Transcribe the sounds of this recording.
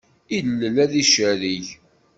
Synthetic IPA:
ilːəlæðiʃəɾiç

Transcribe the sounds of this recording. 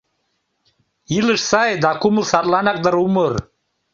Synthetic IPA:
ilɨʂsajd̪akʰʷumɨsatʼlanak̚ʼd̪aɾumɨr

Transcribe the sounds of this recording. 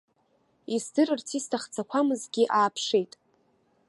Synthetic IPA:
isdɨrɨrt͡sʰistʰaχt͡sʰakʷʰamɨzɡʲiʔaːpʰʂejtʼ

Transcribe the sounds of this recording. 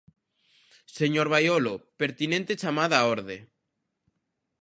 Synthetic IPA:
seɲoɾβajolopeɾt̪inẽnt̪et͡ʃamaðaoɾðe

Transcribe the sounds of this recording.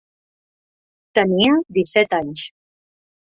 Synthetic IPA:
t̪əniəd̪isɛt̪aɲs

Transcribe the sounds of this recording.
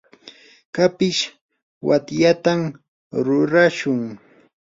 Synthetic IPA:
kapɪʃ | wat̪jat̪am | ɾʊɾaʃʊŋ

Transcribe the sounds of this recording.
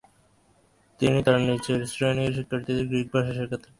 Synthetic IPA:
t̪init̪aɾnit͡ɕʰeɾsɾojniɾʃ̬ikʰːaɾt̪id̪eɾɡɾik̚baʃaʃeɾkʰat̪ʰe

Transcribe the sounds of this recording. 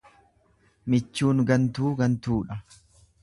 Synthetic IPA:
mɪt͡ʃːuːŋɡɐnt̪uːɡɐnt̪uːᶑɐ

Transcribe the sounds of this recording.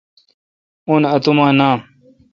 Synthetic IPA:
onɐt̪umãːnãː

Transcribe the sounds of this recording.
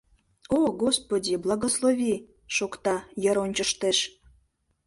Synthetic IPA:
oɡospodʲiblˠɑɣoslˠovʲi | ʃokt̪ɑjə̆ɾonʲt͡ɕəʃt̪eʃ

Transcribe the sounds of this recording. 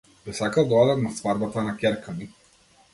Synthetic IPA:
biɛsakalˠd̪ɔad̪at̪nast̪vaɾbat̪anakʲɛɾkani

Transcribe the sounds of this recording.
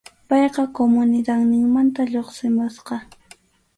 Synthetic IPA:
pɑjqɑkomʊnɪd̪aŋnɪŋmant̪aʎoχsɪmʊsqɑ

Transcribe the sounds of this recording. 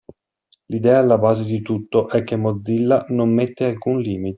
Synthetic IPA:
lid̪ɛːaːlːabaːzed̪it̪ut̪ːoʔɛk̟ːemːod̪zːilːanomːet̪ːealkunliːmit̪e̥

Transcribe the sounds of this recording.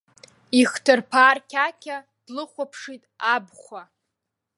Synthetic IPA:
iχtʰɨrpʰaːrkʲʰakʲʰa | d̥lɨχʷapʰʂitʼabχʷa

